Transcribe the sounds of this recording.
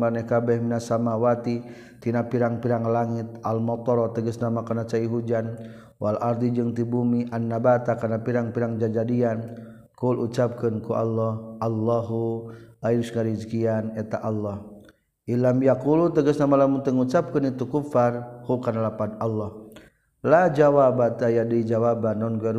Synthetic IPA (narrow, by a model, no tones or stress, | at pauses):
anɛhkabɛhminasamawat̪i | t̪inapiɾaŋpiɾaŋlaŋit̪̚almɔt̪ɔɾɔt̪əɡəsnamakanat͡ʃaiɦud͡ʒan | walʔard̪id͡ʒəŋt̪ibumiʔanːabat̪akanapiɾaŋpiɾaŋd͡ʒad͡ʒadian | kulut͡ʃap̚kənkuʔa̰lːɔhalːaɦuajusŋaɾid͡ʒkianɛt̪aʔalːɔh | ilamjakulut̪əɡəsnamalamuŋt̪əŋut͡ʃap̚kənit̪ukufarhukanalapadalːɔh | lad͡ʒawabat̪ajadid͡ʒawabanːɔnɡuaɾ